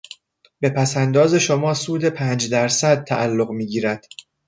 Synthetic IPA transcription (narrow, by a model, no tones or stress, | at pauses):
be̞pʰæsænd̪ɒːze̞ʃomɒːsuːd̪e̞pʰæːnd͡ʒd̪æɾsæd̪̚t̪ʰæʔælːoɣmiːɟiːɾæd̪̥